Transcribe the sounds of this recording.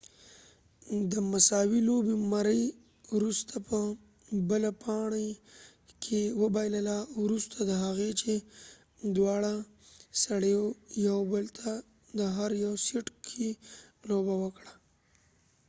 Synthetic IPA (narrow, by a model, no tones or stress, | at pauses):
d̪əmasɑwilobemaɾəj | wɾust̪ʰapʰə | bəlapʰɑɳe | kʰewəbajləlawɾust̪ʰad̪əɦaɣet͡ʃe | d̪wɑɽa | saɽəjojawbəlt̪ʰa | d̪əɦaɾjawseʈkʰelobawəkɽa